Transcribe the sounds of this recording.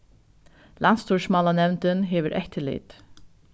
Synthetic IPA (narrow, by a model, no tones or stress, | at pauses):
lʔant̪st̪ʰuʃmɑːlanɛwnt̪ɪnɦeːʋəɾʔɛht̪ʰɪlḭːt̪